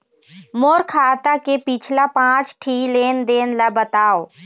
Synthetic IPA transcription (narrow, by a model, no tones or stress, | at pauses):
moːɾkʰaːt̪akepɪt͡ʃʰlapãːt͡ʃʈʰiːleːnd̪eːnlabət̪aːoː